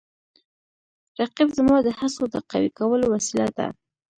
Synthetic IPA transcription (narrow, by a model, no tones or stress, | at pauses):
ɾaqibzmɑd̪əhasod̪əqa̰wikawəlowasilad̪a̰